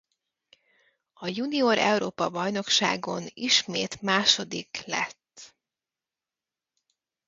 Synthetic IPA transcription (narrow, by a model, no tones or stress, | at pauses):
ɒjunioɾʔɛ̰uɾoːpɒbɒjno̞kʃa̰ːɡo̞niʃmeːt̪maːʃo̞d̪iklɛ̰t̪ː